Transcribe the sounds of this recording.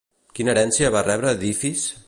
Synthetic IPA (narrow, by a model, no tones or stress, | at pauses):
kinəeɾɛnsiəβarɛβɾəːðifis